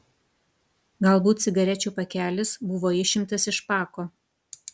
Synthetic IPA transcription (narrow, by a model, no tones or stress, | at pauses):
ɡɐlˠbuːt̪sʲɪɡɐɾʲɛt͡ʃʲuːpɐkʲæːlʲɪsbʊʋoːɪʃʲɪmʲt̪ɐsɪʃpɑːkoː